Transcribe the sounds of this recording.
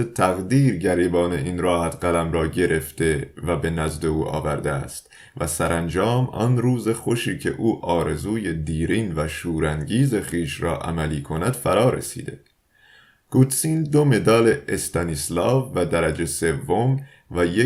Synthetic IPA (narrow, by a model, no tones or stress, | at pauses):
et̪ʰæɣd̪iːɾɟæɾiːbɒːne̞ʔiːnrɒːhæt̪ɢælæmɾɒːɟe̞ɾʔe̞ft̪e̞væbe̞næzd̪e̞uːʔɒ̰ːvæɾd̪eæ̰st̪ | væsæɾænd͡ʒɒːmɒ̰nɾuːze̞χo̞ʃiːcʰe̞̰ʔuːʔɒːɾe̞zuːje̞d̪iːɾiːnvæʃuːɾænɟiːze̞χiːʃrɒ̰ːʔæ̰mæliːkʰo̞næd̪̥fæɾɒːɾḛsḭːd̪e̞ | kuːt̪siːnd̪ome̞d̪ɒːleʔest̪ænislɒːvːæd̪æɾæd͡ʒe̞se̞vːom | væje